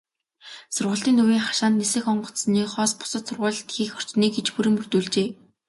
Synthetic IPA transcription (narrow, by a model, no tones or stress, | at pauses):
sʊrʁə̆ɬt̪iːnuwiːŋχḁʃaːnt̪nesɘ̆xɔɴɢɞ̆sniːkχɔːspʊ̥sə̆t̪sʊrʁʊːɮt̪xiːxɔr̥t͡ɕniːkɡet͡ɕpuɾɘ̆mɵr̥t̪uːɮt͡ɕeː